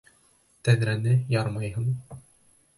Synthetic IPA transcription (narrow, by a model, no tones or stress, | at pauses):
t̪æðɾænɘjɑɾmɑjɦɤɴ